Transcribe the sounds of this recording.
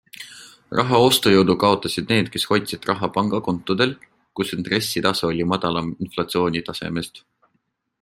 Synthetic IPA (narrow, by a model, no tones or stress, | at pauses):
rʔɑɦɑo̞st̪ojɤwd̪̥ukɑo̞t̪ˑɑsid̪̥ne̞ːd̪̥̚ke̞sho̞jt̪ʲsit̪rɑɦɑpɑŋɡ̥ɑko̞nt̪ːˑud̪̥e̞l | kusint̪re̞sːit̪ɑseolʲimɑd̪̥ɑlɑinflɑt̪sio̞ːnʲit̪ɑse̞̰mest̪